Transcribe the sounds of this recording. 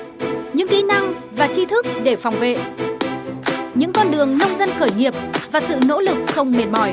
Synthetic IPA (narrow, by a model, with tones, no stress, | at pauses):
ɲɨ̰˧˥ŋki˨˦na˧ŋvaː˨˩t͡ɕi˧t̪ʰɨ˦˥k̚ɗe˧˩fa˨˩wŋ͡mvḛ˧˨ | ɲɨ̰˧˥ŋkɔ˧nɗɨ˨˩əŋnə˧wŋ͡mzə˧nxəː˧˩jɲi˨˩əp̚vaː˨˩sɨ̰˧˨no̰˧˥lɨ˨˩k̚xə˧wŋ͡mme˨˩n̚mɔ˧˩j